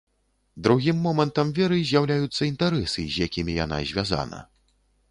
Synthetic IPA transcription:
d̪ɾuɣʲimːɔmɐnt̪ɐmvʲɛɾɨzʲjawlʲajut̪sːɐint̪aɾɛsɨzʲjakʲimʲija̰n̪a̰zʲvʲaza̰nɐ̰

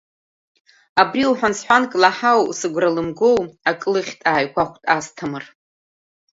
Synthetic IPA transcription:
abriwħʷᶣansħʷankʼlaħawsɨɡʷralɨmɡo̞wakʼlɨχʲtʼaːjkʷʰaχʷtʼastʰamɨr

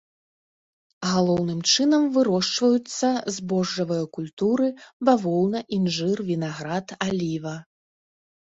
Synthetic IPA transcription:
ɣalˠɔwnɨmt͡ʂɨnɐmvɨɾɔʂt͡ʂvɐjut̪sːɐzbɔʐːɐvɨjɐkulʲt̪uɾɨbavɔlˠnɐʔinʐɨrvʲinaɣɾat̪alʲivɐ

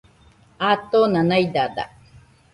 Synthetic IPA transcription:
at̪onanajd̪ad̪a̰

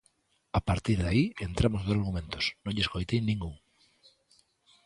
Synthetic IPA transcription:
apaɾt̪iɾðaient̪ɾamozðosaɾɣumẽnt̪osnõŋʎeskojt̪ejnĩŋɡuŋ

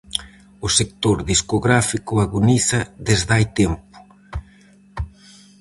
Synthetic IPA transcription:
ʊsek̚t̪oɾðiskoɣɾafikʊaɣoniθɐðezðajt̪ɛmpʊ̥

